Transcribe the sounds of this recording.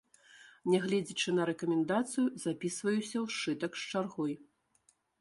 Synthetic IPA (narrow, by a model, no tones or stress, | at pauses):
nʲɛɣlʲɛd͡zʲit͡ʂɨnɐɾɛkɐmʲɛnd̪at̪sɨjuzapʲisvɐjusʲɐwʂt͡ʂɨt̪ɐkst͡ʂarɣɔj